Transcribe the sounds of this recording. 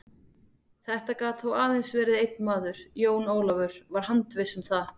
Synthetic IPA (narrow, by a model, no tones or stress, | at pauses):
θɛht̪akaːt̪θowaːðejnsvɛːɾɪðejt̪̚nmaːðʏɾ̥joːwnoːwlavʏɾ̥vaɾ̥ɦant̪vɪsʏmθa